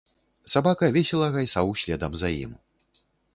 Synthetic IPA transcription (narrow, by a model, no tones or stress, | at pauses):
sabakɐvʲesʲɛlˠɐɣajsawɕʲlʲɛd̪ɐmzɐjḭm